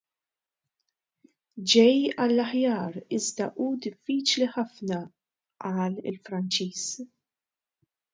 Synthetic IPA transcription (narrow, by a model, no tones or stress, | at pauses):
d͡ʒɛjɐlːɐħjɐːɾɪzd̪ɐʔuːd̪ɪfːiːt͡ʃliħɐfnɐ | ʔɐːlɪ̰lfɾɐnt͡ʃiːs